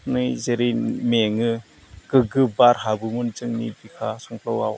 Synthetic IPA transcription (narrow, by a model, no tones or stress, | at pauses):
nɯjzeɾimeŋɯ | ɡ̥ɯɡɯbaɾɦabɯmunt͡ʃɯŋnḭbikʰasɔŋpʰlɔwa̰w